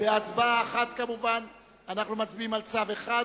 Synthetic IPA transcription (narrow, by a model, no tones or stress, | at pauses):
beat͡sbaːχat̪kamuvan | anaχnumat͡sbiimalt͡saveχa